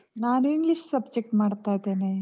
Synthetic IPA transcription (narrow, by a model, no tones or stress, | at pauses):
naːnuiŋɡliʂsɐb̚d͡ʒek̚ʈmaːɽt̪ajd̪eːne